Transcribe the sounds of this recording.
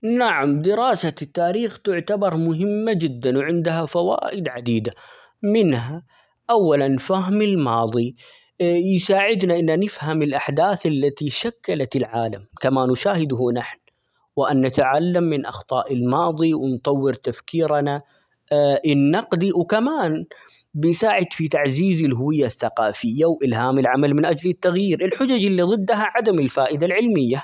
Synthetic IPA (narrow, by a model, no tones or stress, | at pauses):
naʕamd̪ɪɾɑːsat̪ːaːɾiːxt̪ʊʕt̪abɑɾˤmʊɦɪmːad͡ʒɪd̪ːanwʕɪnd̪ɦafawa̰ːʔɪd̪ʕad̪iːd̪a | mɪnɦa | ʔawːalanfaɦmɪlmɑːðˤi | jsaːʕɪd̪naʔɪnːanɪfhamɪlʔaħd̪aːθʔalːat̪iʃakːalat̪ɪlʕaːlamkamanʊʃaːhɪd̪hunaħn | wɪʔanːat̪aʕalːamːɪnʔɑ̰xt̪ˤɑːʔɪlmɑːðˤiwɪnt̪ˤɑwːɪɾt̪afkiːɾana | ʔɪnːɑqd̪iwkamaːn | bɪjsaːʕɪd̪fit̪aʕziːzɪlɦʊwɪjːaθːaqɑːfɪjːawʔɪlɦaːmɪlʕamalmɪnʔad͡ʒlɪt̪ːaɣjiːɾʔɪlħʊd͡ʒad͡ʒɪlːiðˤɨd̪ːaɦaʕad̪amɪlfaːʔɪd̪alʕɪlmɪjːa